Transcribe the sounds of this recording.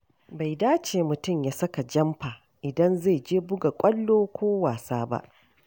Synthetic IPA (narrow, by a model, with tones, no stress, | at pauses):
ba˨jdaː˦t͡ʃeː˨mʊ˨tʊ˦˨mjaː˦sɐ˦ka˨d͡ʒɐ˦mɸaː˨ | ʔɪ˨dɐ˦nza˦˨jd͡ʒeː˦bʊ˦ɡa˨kʷʼɐ˦lːoː˦kʷoː˦waː˨saː˦ba̰˦ʔ